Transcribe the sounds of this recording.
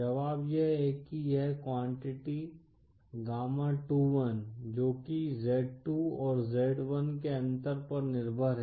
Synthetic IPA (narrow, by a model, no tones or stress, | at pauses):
d͡ʒɐʋaːbjeɦekijɛɦkwãːɳʈɪʈi | ɡaːmaʈuʋənd͡ʒoːkizɛːɖ̚ʈuɔːɾzeːɖʋənkeɐ̃nt̪əɾpɐɾnɪɾbʱəɾɦɛ